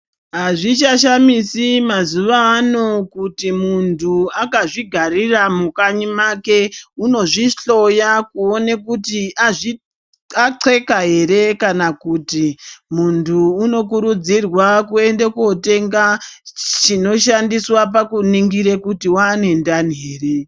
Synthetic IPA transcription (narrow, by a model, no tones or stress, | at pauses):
ɦaʐit͡ʃaʃamisimazuʋaːno̞kutimuntʰuakaʐiɡʱariramukaɲimake̞uno̞ʐiɬo̞jakuo̞nekutiaʐi | aǀʰe̞kaɦe̞ɾe̞kanakuːtimuntʰuːno̞kuɾud͡zirwakue̞ndekuo̞te̞ŋɡa | t͡ʃino̞ʃandiswap̬akuniŋɡiɾekutiwaːne̞ndaniɦe̞ːre